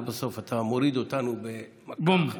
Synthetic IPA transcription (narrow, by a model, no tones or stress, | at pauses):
besofat̪ʰamoɾid̪ot̪anube | mbom